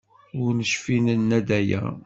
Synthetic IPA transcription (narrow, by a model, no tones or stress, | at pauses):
ʊɾnəʃfinənːæd̪æjæ̰